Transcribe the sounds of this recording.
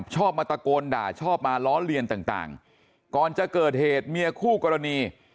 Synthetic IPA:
p̚t͡ɕʰɔː˥˩p̚ma˧t̪a˧koː˧nda̰ː˨˩t͡ɕʰɔː˥˩p̚maː˧lɔː˦˥nɾi˧ənt̪aː˨˩ŋt̪a̰ː˨˩ŋ | kɔː˨˩nt͡ɕa˨˩ʔkɤː˨˩t̪̚heː˨˩t̪̚mi˧əkʰuː˥˩kɔː˧ɾa˧niː˧

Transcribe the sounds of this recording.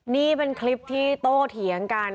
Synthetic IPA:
niː˥˩pe˧nkʰli˦˥p̚t̪ʰiː˥˩t̪oː˥˩t̪ʰi˩˦əŋkaː˧n

